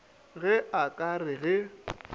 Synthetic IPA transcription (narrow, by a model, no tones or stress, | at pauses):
ɣɛʔakʼarɪɣɪ